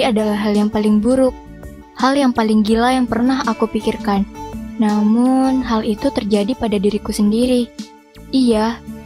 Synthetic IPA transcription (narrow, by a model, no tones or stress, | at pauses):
iadalaɦaljaŋpalɪŋbuɾʊk̚ | haljaŋpalɪŋɡilajaŋpərnaɦakupikirkanːamʊnɦalit̪ut̪ərd͡ʒadipadadiɾikusəndiɾi | ija